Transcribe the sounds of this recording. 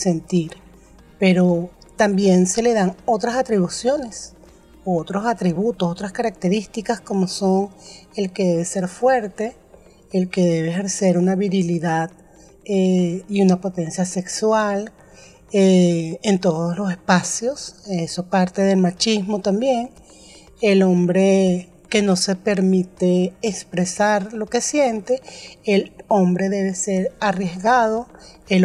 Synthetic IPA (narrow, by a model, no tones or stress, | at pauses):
se̞nt̪iɾ | peɾo | t̪ambje̞nse̞le̞ðaŋo̞t̪ɾasat̪ɾiβ̞usjo̞ne̞s | oot̪ɾosat̪ɾiβut̪osot̪ɾaskaɾak̚t̪e̞ɾist̪ikasko̞mo̞soŋelke̞ðe̞βe̞se̞ɾfwe̞ɾt̪e̞ː | lke̞ðe̞βeexeɾse̞ɾunaβiɾiliðað | eiunapo̞t̪e̞nsjase̞kswal | eent̪o̞ðoslo̞sespasjo̞sesopaɾt̪e̞ðe̞lmat͡ʃismo̞t̪ambje̞ŋ | elombɾe | ke̞no̞se̞pe̞ɾmit̪eːkspɾesaɾlo̞ke̞sje̞nt̪eːlombɾe̞ðeβe̞seɾarjezɣaðoel